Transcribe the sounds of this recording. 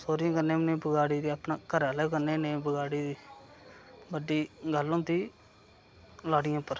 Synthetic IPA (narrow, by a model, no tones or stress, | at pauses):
soːɾɪjãːkənẽːmnẽːbəɡaːɽiːd̪iːapnaːkəɾaːlɛːkəneːnẽːbəɡaːɽiːd̪iː | bəɖiːɡəlːõːt̪iː | laːɽɪjãːpəɾ